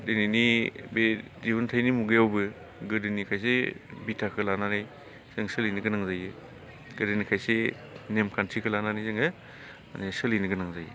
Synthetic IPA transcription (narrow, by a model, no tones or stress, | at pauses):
dɯninibe | zibuntʰajnimuɡɯjawbɯ | ɡɯdɯnikʰajsebitʰakʰɯlananɯj | z̥ɯŋsɯlijnɯɡɯnaŋzajɯ | ɡ̥ɯɾɯnikʰajse | nemkʰantʰikʰɯlananijzɯŋɯ | anesɯlijnɯɡɯnaŋzajɯ